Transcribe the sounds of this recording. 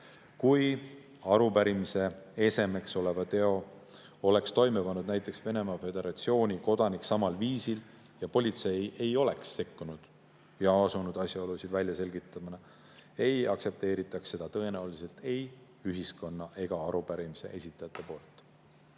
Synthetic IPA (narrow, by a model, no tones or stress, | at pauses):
kuj | ɑɾupæɾimise̞e̞se̞me̞kso̞le̞vɑt̪e̞o̞ | o̞le̞kst̪o̞jmepɑnːud̪̚næjt̪ːˑe̞ksve̞ne̞mɑfe̞d̪e̞ɾɑt̪sio̞ːnʲiko̞d̪̥ɑniksɑmɑlviːsil | jɑpo̞lʲit̪se̞je̞jo̞le̞ksːe̞kːunud̪̥ | jɑɑsunud̪̥ɑsjɑolusid̪̥vælʲjɑse̞lɡit̪ːˑɑminɑ | e̞jɑkse̞p̚t̪e̞ːɾit̪ːˑɑkse̞d̪̥ɑt̪ɤ̞e̞næulise̞lt̪e̞j | yɦisko̞nːɑʔe̞ɡ̥ɑɑɾub̥æɾimise̞̰ʔe̞sʲit̪ːˑɑjɑt̪ːˑe̞po̞ːlt̪ˑ